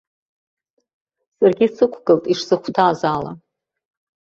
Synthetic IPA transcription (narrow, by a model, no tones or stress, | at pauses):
sarɡʲisɨkʷʰɡɨltʼiʂsɨχʷtʰaːzala̰